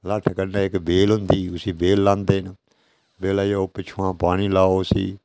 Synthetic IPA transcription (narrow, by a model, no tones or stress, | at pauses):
laːʈʰkənaːɪkbeːlɦʊ̃nd̪iːʊsĩːbeːlːãːnd̪eːn | beːlaːjoːpɪt͡ʃʰuãːpaːɽ̃iːlaːoːsḭː